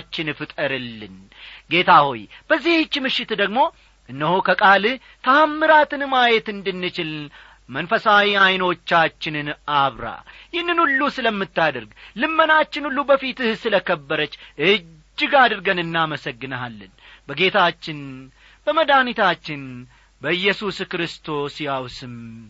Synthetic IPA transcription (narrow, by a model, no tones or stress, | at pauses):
t͡ʃːɪnfɨt̪ʼəɾɨlːɨn | ɡe̞t̪ʰaho̰jb̥əzːiht͡ʃːmɨʃːɪt̪d̪əɡmo̞ | ʔɨnːəhukʰəkʼalɨ | t̪ʰəamːɨɾat̪ɨnmajɛt̪ɨnd̪ɨnːɨt͡ʃɪln | mənfəsawiajno̞t͡ʃːat͡ʃːɪnɨnʔaβɾa̰jɪhnːɨnulːusɨləmːɨt̪ːad̪əɾɡlɨmːənat͡ʃːɪnulːubəfit̪ɨhsɨləkəbːəɾət͡ʃːʔɨd͡ʒːɪɡad̪ɨɾɡənɨnːaməsəɡːɨnəalːənbəɡe̞t̪ʰat͡ʃːɪn | bəməd̪anit̪ʰat͡ʃːɪn | bəɨjːɛsuskɾɨst̪ʰo̞sjawsɨm